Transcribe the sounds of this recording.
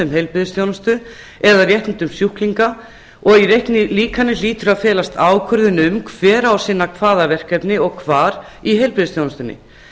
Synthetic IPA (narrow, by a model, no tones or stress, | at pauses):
ʏmɦejlpɾɪðɪst̪jownast̪ʏ | ɛðarjɛht̪nt̪ʏmsjuhkliŋka | ɔɣiɾejhknɪliːkanːɪliːt̪ʏɾaðfɛːlast̪aːwkʰœɾðʏnʏmkʰv̥ɛːɾawsɪnːakʰvaːðavɛr̥kɛpnɪɔɣkʰvaːɾ | iɦejlpɾɪðɪst̪jownast̪ʏnːɪ̰